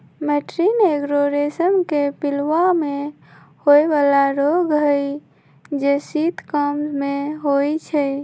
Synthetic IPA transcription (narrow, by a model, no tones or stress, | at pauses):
meʈɾineɡɾoɾesəmkepilwame | hojbalaɾoɡɦəj | d͡ʒesit̪ʰkəmmeɦojt͡ʃʰɛ